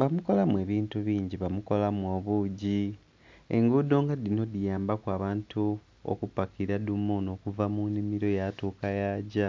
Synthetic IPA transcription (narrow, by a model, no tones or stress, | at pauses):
βamuko̞lamwe̞ːβiːntuβiːɲɟiβamuko̞lamuo̞ːβuɟi | ḛŋɡudo̞ːŋɡadino̞dijaːmbakwaːβaːntʰu | o̰kupakiɾadumono̞ːkuvamunimiɾo̞jatuːkajaːɟa